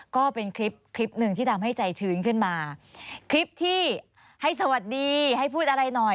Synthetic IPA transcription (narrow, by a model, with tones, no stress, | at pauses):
kɔː˥˩pe˧nkʰɾi˦˥p̚kʰɾi˦˥p̚nɯ˨˩ŋt̪ʰiː˥˩a˧mɦa˥˩jt͡ɕa˧jt͡ɕʰɯː˨˥nkʰɯ˥˩nmaː˧kʰɾi˦˥p̚t̪ʰiː˥˩ | ha˥˩js̬a˧wa˨˩t̪̚diː˧ha˥˩jpʰuː˥˩t̪̚ʔa˧ɾa˧jnɔ˨˩j